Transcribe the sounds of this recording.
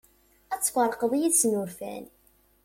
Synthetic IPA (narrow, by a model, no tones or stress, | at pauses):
æt͡sːfəɾˤqəðˤjiðsnʊɾfæ̰n